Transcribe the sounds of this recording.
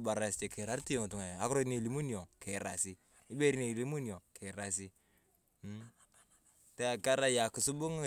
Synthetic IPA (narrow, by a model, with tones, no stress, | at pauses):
ba˨ɾa˨ste˨ke˨ɾa˨˦ɾti˦o˦ŋ˨tu˨ŋa˨a˨˦kɾo˦ne˦˨li˨˦mu˦njo˨ke˨ɾa̰˨si˦ | i˦be˦ɾi˦ne˨i˨li˦mu˦njo˨kʰe˨ɾa˨si˦ | te˦a˨ka˦ɾa˦ja˨ku˨su˦bu˦ŋ˦˨